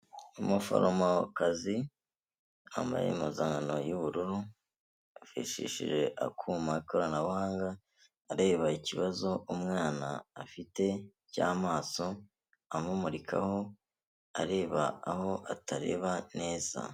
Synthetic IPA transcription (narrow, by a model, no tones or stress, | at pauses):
umufo̰ɾomakazi | a̰mba̰jḛmuzaːŋɡano̞juβuɾuɾu | fḭʃḭʃḭʒe̞ʔa̰kʰumaikoɾanaβuhaːŋɡaː | ɾe̞ːβaiciβazo̞umŋaːnaːfite̞ | ca̰ːmaːso̞ | amumuɾikʰa̰ho̞ | a̰ɾe̞ːβaːho̞ʔatʰaɾe̞̰ːβane̞ːz̥a̰